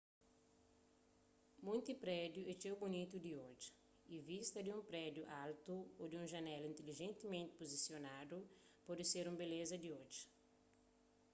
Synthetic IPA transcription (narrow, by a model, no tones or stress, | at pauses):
mũjt̪ipɾɛd̪juet͡ʃewbunit̪ud̪iod͡ʒi̥ | ivist̪ɐd̪iũmpɾɛd̪juʔalt̪uod̪iũʒɐnɛlĩnt̪eliʒẽnt̪imẽnt̪ɪ̥pozisjonad̪upɔd̪ɪseɾũmbelezɐd̪iod͡ʒi̥